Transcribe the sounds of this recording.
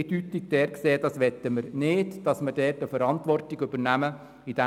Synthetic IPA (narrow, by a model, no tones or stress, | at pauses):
ed̥yt̪ːɪk̚d̥ɛːɾkseːd̥ɑsʋɛt̪ːəməɾnɪːdd̥ɑsməd̥ɛːtəfəɾɑntʋɔrtɪɡybəɾnæmə | id̥æ